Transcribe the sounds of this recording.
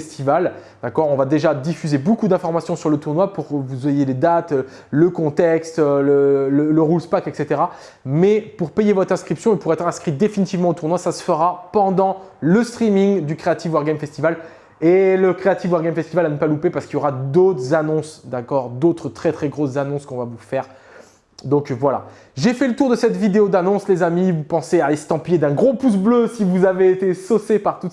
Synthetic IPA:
st̪ival | d̪̥akɔʁɔ̃vad̪eʒad̪ifyzebokud̪ɛ̃fɔʁmasjɔ̃syʁlət̪uʁnwapuʁvuzɛjeled̪at̪ | ləkɔ̃t̪ɛkst̪ølələləʁulspakɛkset̪eʁa | mɛpuʁpejevɔt̪χɛ̃skχipsjɔ̃epuʁɛt̪χɛ̃skχitd̪efinit̪ivmɑ̃ot̪uʁnwasasə̥fəʁapɑ̃d̪ɑ̃ləst̪χimiŋd̪ykχeat̪ifwaʁɡɛmfɛst̪ival | eləkχeat̪ifwaʁɡɛmfɛst̪ivalanəpalupepaʁskiljoʁad̪ot̪χəzanɔ̃sd̪akɔʁd̪ot̪χət̪χɛt̪χɛɡʁoszanɔ̃skɔ̃vavufɛʁ | d̪ɔ̃kvwala̰ | ʒefɛlət̪uʁd̪əsɛt̪vid̪eod̪anɔ̃slezamivupɑ̃sealest̪ɑ̃pijed̪ɛ̃ɡʁopus̬bløsivuzaveːt̪esosepaʁt̪u

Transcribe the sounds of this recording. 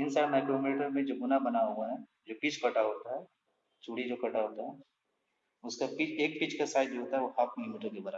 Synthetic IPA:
ɪnsaɾmɛɪkɾomiːʈəɾmẽd͡ʒoːɡʊnabɐnaɦoːɡaɦɛd͡ʒoːpit͡ʃkɐʈaɦoːt̪aɦɛ | t͡ʃuːɽid͡ʒoːkɐʈʰaɦoːt̪aɦɛ | ʊskapit͡ʃeːk̚pit͡ʃkasaːɪd͡ʒd͡ʒoɦoːt̪aɦɛʋohakʰmɪɪmiʈəɾkebɐɾa

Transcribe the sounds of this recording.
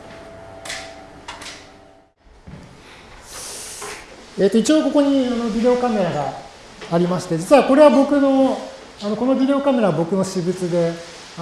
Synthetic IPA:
e̞ːt̪oit͡ɕio̞ko̞ko̞ɲ̟iano̞bʲid̪e̞o̞kame̞ɾaɡaː | ɾʲimaɕi̥t̪e̞d͡ʑit͡sɨɯβako̞ɾe̞βabo̞kɯ̟no̞ | ano̞ko̞nobʲid̪e̞o̞kame̞ɾaβabo̞kɯ̟no̞ɕibɯt͡sɨd̪e̞

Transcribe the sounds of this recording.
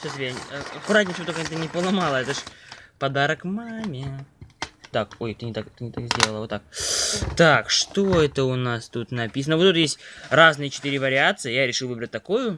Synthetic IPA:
sʲost̪əkʲɪjaəɐkʊɾatʲnʲɪsʲvot̪okəɛt̪ənʲɪpəlˠɐmalˠəɛt̪əʂpɐd̪aɾəkmamʲɪ | t̪akojt̪ɨnʲɪt̪akt̪ɨnʲɪt̪akzʲdʲelˠəlˠəvot̪ːak̚t̪akʂt̪oɛt̪əʊnast̪ut̪nɐpʲis̬ənəvot̪ut̪jesʲtʲraznɨjət͡ɕɪ̥t̪ɨɾʲɪvəɾʲɪat̪sɨjəjaɾʲɪʂɨlˠvɨbɾət̚ʲt̪ɐkojʊ

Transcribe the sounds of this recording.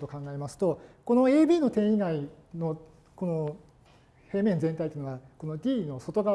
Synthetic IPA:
t̪okãŋɡae̞masɨ̥t̪o̞ko̞no̞e̞ːbʲiːno̞t̪ẽ̞ɰ̃iɡai | no̞ | ko̞no | he̞ːmẽ̞nd͡zẽ̞nt̪ait̪oiɯnoβako̞no̞ɡʲiːno̞so̞t̪o̞ɡa

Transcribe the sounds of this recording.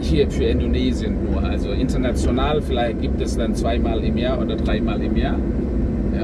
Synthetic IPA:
tiːɐtfyːɐɪndonɛːzjənuːɐʔa̰lzoʔɪntɐnat͡sjonaːlfɪlaɪçt̚ɡ̥iːp̚tɛsd̥ant͡sv̥aɪmaːlɪmjaːɐʔoːdɐdʁaɪmaːlɪmjaːɐ | ja̰ː

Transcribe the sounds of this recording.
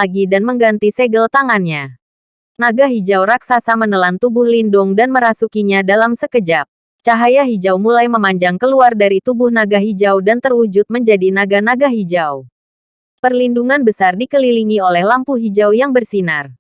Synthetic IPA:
aɡidanməŋɡant̪iseɡəlt̪aŋanɲa | naɡaɦid͡ʒawɾak̚sasamənəlant̪ubʊhlindʊŋdanməɾasukiɲadalamsəkəd͡ʒap̚ | t͡ʃaɦajaɦid͡ʒawmulajməmaɲd͡ʒaŋkəluardaɾit̪ubʊhnaɡaɦid͡ʒawdant̪ərud͡ʒʊt̪̚məɲd͡ʒadinaɡanaɡaɦid͡ʒaw | pərlinduŋanbəsardikəliliŋiolɛhlampuɦid͡ʒawjaŋbərsinar

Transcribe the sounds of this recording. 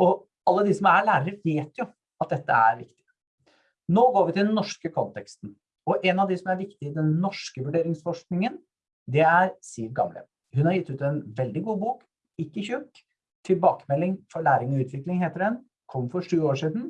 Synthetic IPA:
ɔ | ɑlːəd̪ɪsɔmæɭæːɾəɾəʋeːt̪jʊ | ɑt̪̚d̪ɛt̪ːə̰æ̰ɾʋɪ̰kt̪ɪ̥ | noːɡoːɾʋɪt̪ɪd̪ɛnːɔʂkəkʰɔnt̪ɛkst̪n̩ | ɔʔɛnɑʋd̪ɪsɔmæɾʋɪkt̪ɪɪd̪ɛnːɔʂkəʋʉɖeːɾɪŋsfɔʂknɪŋən | d̪ɛæɾsiːʋɡɑ̰mlə̰ | hʉnhɑɾjɪt̪ːʉːt̪ɛnʋɛld̪ɪɡuːbuːk | ɪkːəçʉːt | t̪ʰɪlbɑːkəmɛlːɪŋfɔɭæːɾɪŋɔʉːt̪ʰʋɪklɪŋɦeːt̪əɾɛn | kʰɔmːfɔʂʉːoːʂiːd̪n̩

